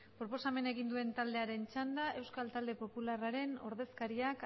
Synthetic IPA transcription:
pɾo̞po̞same̞ne̞ɣind̪ue̞nt̪ald̪e̞aɾe̞nt͡ʃand̪aʔe̞wskalt̪ald̪e̞po̞pularaɾe̞no̞̰ɾðe̞skaɾiak

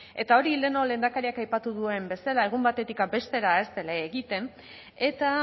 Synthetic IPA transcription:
e̞̰t̪ao̞ɾiːld̪eno̞le̞nd̪akaɾiakajpat̪uðue̞mbe̞salae̞ɣ̞umbat̪e̞t̪ikabe̞st̪e̞ɾae̞st̪e̞laeɣit̪e̞n | e̞t̪a

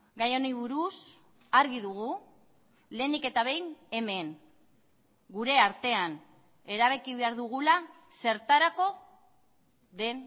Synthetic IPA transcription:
ɡajo̞niβuɾus | aɾɣiðuɣu | le̞ːnike̞t̪aβ̞e̞jne̞me̞ŋ | ɡuɾe̞aɾt̪e̞an | e̞ɾaβ̞e̞kiβe̞aɾðuɣ̞ula | se̞ɾt̪aɾako̞ | ðe̞n

